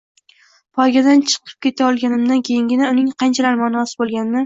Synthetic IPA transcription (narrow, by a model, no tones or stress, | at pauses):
pʰɒɾɡʲad̪ant͡ʃʰɨ̥qʰɨ̥p̚kʲʰe̞t̪ʰaɒlˠɡʲanɪmd̪ankʲʰe̞jɪŋɡʲɪnaʊnɪŋqʰɑnt͡ʃʰalaɾmɒnɒsɪbolˠɡʲanmɪ